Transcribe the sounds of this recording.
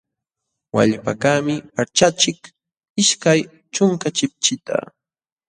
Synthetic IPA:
wa̰ʎpakaːmɪpaɾt͡ʃat͡ʃɪk | ɪʃkaj | t͡ʃʊŋkat͡ʃɪp̚t͡ʃɪt̪a̰

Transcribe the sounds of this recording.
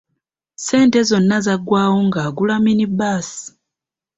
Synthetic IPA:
se̞ːntezo̞nːazaɡwaːwoŋɡaɡulaminibaːsi̥

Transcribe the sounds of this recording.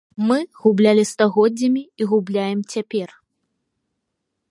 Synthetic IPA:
mɨɣublʲalʲist̪aɣɔdd͡zʲːɐmʲiiɣublʲajɛmt͡sʲapʲɛr

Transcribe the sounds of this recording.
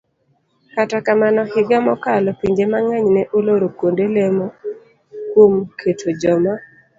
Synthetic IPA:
katakamanɔhɪɡamɔkalɔpiɲd͡ʒemaŋaɲnɛʔoloɾokwondelemo | kwomkʰetʰod͡ʒɔma

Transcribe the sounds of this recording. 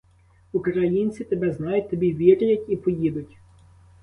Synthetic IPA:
ukɾɐjinʲt͡sʲit̪ebɛznɑjʊt̚ʲt̪ɔbʲiʋʲiɾʲɪjɐtʲipɔjid̪ʊtʲ

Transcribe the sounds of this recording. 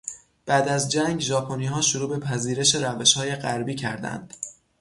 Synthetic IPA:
b̥æːd̪æzd͡ʒæŋɡʒɒːpʰoniːɦɒːʃoɾuːbe̞pʰæziːɾe̞ʃe̞ɾæve̞ʃhɒːje̞ɢæɾbiːcʰæɾd̪æ̰nd̪̥

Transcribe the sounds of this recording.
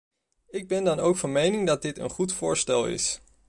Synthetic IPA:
ɪɡ̚bɛndɑnowkfɑnmejnɪŋdɑd̚dɪtə̰nχutfʊːɹstɛlˠɪ̰s

